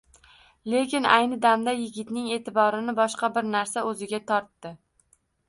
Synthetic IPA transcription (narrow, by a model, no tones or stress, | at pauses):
le̞kʲɪnajnɪd̪amd̪ajɪɡʲɪt̪nɪŋe̞ːt̪ʰɪbɒɾɪnɪbɒʃqɑbɪɾnaɾsaɵzɪɡʲat̪ʰɒɾt̪ːɪ